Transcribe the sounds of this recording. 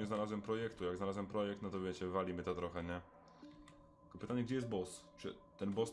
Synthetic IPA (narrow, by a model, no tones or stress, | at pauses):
ɛznalazwɛmpɾɔjɛkt̪ujaɡznalazwɛmpɾɔjɛk̚t̪nɔt̪ɔvʲjɛt͡ɕɛvalʲimɘt̪ɔt̪ɾɔxɛɲɛ | kɔpɘt̪aɲɛɡ̚d͡ʑɛjɛst̪̚bɔst͡ʂɘ̰t̪ɛnbɔs